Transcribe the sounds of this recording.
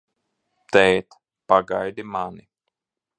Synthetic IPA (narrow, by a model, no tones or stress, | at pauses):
t̪ɛjt̪ | paɡajd̪imani